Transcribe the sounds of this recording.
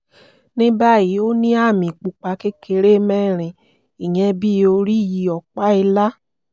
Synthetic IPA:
nĩ˦ba˦˨ji˨˦o˦nĩ˦a˦˨mĩ˨k͡pu˧k͡pa˨˧˦ke˦kʰe˧ɾe˦mɛ̃˦˨ɾ̃ĩ˨ | i˨jɛ̃˧bi˦o˧ɾi˦ji˨˧˦ɔ˨k͡pa˦i˧la˦

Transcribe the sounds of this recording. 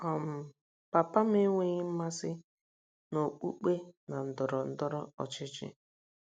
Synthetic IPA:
ɔ˨m̩˨ | pa˨pa˦m̩˦e˦ŋʷe˦ɣɪ˦m̩˦ma˦sɪ˦ | no˨k͡pṵ˦k͡pe˦na˨n̩˨dʊ˨ɾɔ˨n̩˦dɔ˦ɾɔ˦ɔ̰˨t͡ʃɪ˦t͡ʃɪ̰˦

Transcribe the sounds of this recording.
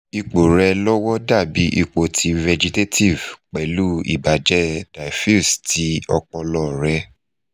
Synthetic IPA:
i˧k͡po˨ɾɛ˧lɔ˦wɔ˦da˦˨bi˨˦ʔi˧k͡po˨tʰi˨˧vɛ˧d͡ʒi˧te˦ti˦˨vk͡pɛ˨lu˦ḭ˦˨ba˨d͡ʒɛ˦d̥a˨fi˦sti˨˦ɔ˧k͡pɔ˧lɔ˧˨ɾɛ˨˧

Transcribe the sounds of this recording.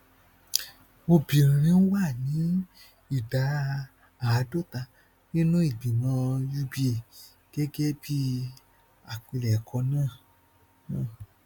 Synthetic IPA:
mo˧bĩ˨ɾĩ˨ɾ̃ĩ˧˦n̩˦wa˦˨nĩ˨˦ | i˦˨da˨˦ | a˨˧˦do˦˨ta˧ | nĩ˦nũ˦i˦˨bi˨mɔ̃˧ju˧bi˧e˨ | ɡ̥ɛ˦ɡɛ˦bi˦ | a˨k͡pi˧lɛ˨kʰɔ˧˦nãː˦˨˦

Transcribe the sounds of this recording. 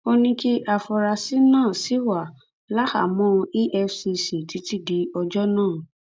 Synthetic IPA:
o˧nĩ˧ki˦ʔa˧˨fɔ˧ɾa˧si˨˦nãː˦˨si˨˦wa˨ | la˦ha̰˨mɔ̃˦˧i˦ʔɛ˧fsi˧si˨ti˨˦ti˦˨di˨˦ɔ˧d͡ʒɔ˦nãː˦˨

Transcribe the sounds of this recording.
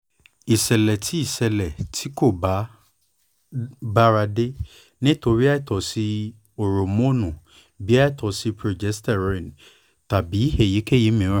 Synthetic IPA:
i˨sɛ˨lɛ˨tʰi˨˦i˦˨sɛ˧lɛ˨tʰi˨˦ko˦˨ba˨˦ | ba˦ɾa˧de˦ | nĩ˦to˧ɾi˦a˦i˦˨tɔ˨si˧˦ | o˨ɾo˨mõ˦˨nũ˨ | bi˨˦a˦i˦˨tɔ˨˦si˧˦pɾo˧d͡ʒɛ˨˦stɛ˦˨ɾɔ˨˧ĩ˨n | ta˨bi˨˦he˦˨ji˨˦ke˦˨ji˨˦mĩ˨˦ɾ̃ã˦˨

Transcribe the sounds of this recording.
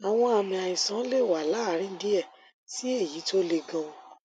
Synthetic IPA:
a˨w̃ɔ̃˧˦a˧˨mĩ˨a˨ĩ˨sã˨˦le˦˨wa˨la˦ɾ̃ĩ˦n̩˦di˦ɛ˦˨ | si˨˦e˦˨ji˨˦to˦le˧ɡã˧õ˧

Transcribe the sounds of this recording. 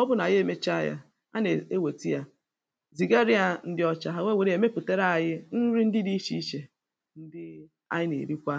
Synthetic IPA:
ɔ˦bʊ˦na˨je˦˨me˦t͡ʃa˦˨ja̰˦ | a˦ne˨e˦we˨ti˦ja˦ | zi˨ɡe˦ɾi˦a˦˨n̩˦dɪ˦ɔ˦t͡ʃa˨ɦa˦˨wʷe˦we˨ɾi˦e˨me˦pu˨te˦ɾa˦a˨jɪ˦n̩˦ɾi˦n̩˦dɪ˦di˦ʃi˦ʃe˨ | n̩˦dɪ˦ | a̰˦jɪ˦nḛ˨ɾi˦kʷa˦

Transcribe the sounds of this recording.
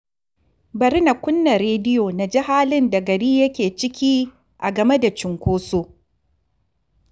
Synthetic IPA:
bɐ˨ɾɪ˦na˨kʷʊ˦nːɐ˨ɾeː˦dɪ˦joː˨na˨d͡ʒi˦haː˦lɪ˦nda˨ɡɐ˨ɾiː˦jɐ˦kʲeː˨t͡ʃɪ˦kʲiː˦ | ʔa˨ɡɐ˨me˦da˨t͡ʃɪ˨ŋkʷoː˦soː˦

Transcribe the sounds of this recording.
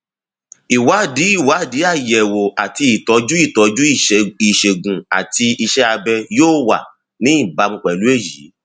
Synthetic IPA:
i˨wa˨˦˨di˨˦i˦˨wa˨˦˨di˨˦a˦˨jɛ˨wo˨a˨ti˧i˨tɔ˨˧˦d͡ʒu˦i˦˨tɔ˨˦d͡ʒu˦˨i˨ʃe˨ɡũ˨a̰˨ti˧i˧ʃɛ˦a˧bɛ˧joː˦wa̰˨ | nĩ˦i˦˨ba˨˧mũ˧k͡pɛ˨lu˨˦e˦˨ji˨˦

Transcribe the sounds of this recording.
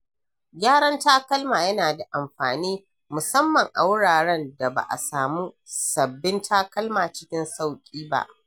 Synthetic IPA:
ɡʲaː˦ɽɐ˦ntaː˦kɐ˦lmaː˨jɐ˦naː˨da˨ʔa˨mɸaː˨niː˦ | mʊ˨sɐ˦mːɐ˨ŋʔa˨wʊ˦ɽaː˨ɽɐ˦nda˨ba̰˨ʔa̰˨saː˨muː˦sɐ˨bːɪ˦ntʰaː˦kɐ˦lmaː˨t͡ʃɪ˦kʲɪ˦nsa˦˨wkʲʼiː˦ba̰˦ʔ

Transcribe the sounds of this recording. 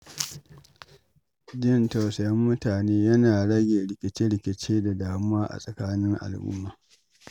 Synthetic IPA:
dɪ˦˨nta˨wsɐ˨jɐ˦mːʊ˦taː˨neː˦jɐ˦naː˨ɽɐ˦ɡʲeː˨ɽɪ˨kʲɪ˨t͡ʃe˦ɽɪ˨kʲɪ˨t͡ʃeː˦da˨daː˨mʊ˦waː˦ʔa̰˨sʼɐ˨kaː˦nɪ˦ŋʔa̰˨lʔʊ̰˦mːaː˨

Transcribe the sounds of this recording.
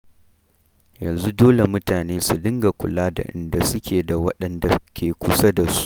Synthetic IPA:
jɐ˨nzu˦doː˦le˨mʊ˦taː˨neː˦su˨dɪ˦ŋɡa˨kʷʊ̰˨laː˦da̰˨ʔɪ̰˨nda˨sʊ˦kʲeː˨da˨wɐ˦ɗɐ˨nda˨kʲʰeː˨kʷʊ˦sa˦da˨su̥˦ʔ

